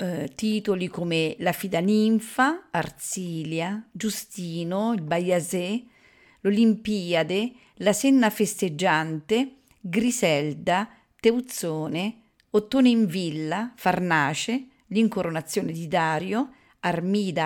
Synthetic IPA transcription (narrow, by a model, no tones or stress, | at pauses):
t̪iːt̪olikomelafid̪aniɱfaːrt̪siːljad͡ʒust̪iːnoilbajaze | lolimpiːad̪e | lasenːafest̪ed͡ʒːant̪e | ɡɾisɛld̪a | t̪eut̪soːne | ot̪ːoːneiɱvilːafarnaːt͡ʃe | liŋkoɾonat̪sːjoːned̪id̪aːɾjo | armiːd̪a